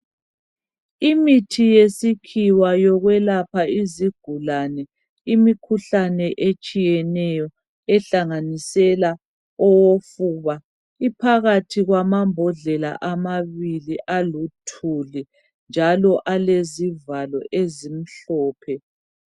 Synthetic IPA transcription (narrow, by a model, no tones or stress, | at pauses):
imitʰijesikʰiwajɔɣwɛlapʰaiziɡ̥ʱulanɛ | imikʰuɬanɛʔet͡ʃʼijɛnɛjɔ | ɛɬaŋanisɛla | ɔwofuβa | ipʰaɣatʰiɣwamambʱɔɮɛla̰ʔamaβiliʔalutʰuli | nd͡ʒʱalɔʔalezivalɔʔezim̩ɬɔːpʰɛ